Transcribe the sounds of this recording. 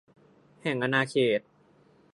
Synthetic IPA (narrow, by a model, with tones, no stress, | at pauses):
hɛ˨˩ŋʔa˧naː˧kʰeː˨˩t̪̚